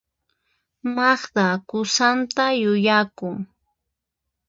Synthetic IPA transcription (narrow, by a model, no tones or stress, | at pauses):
mɑχt̪akʊsant̪ajʊjakʊŋ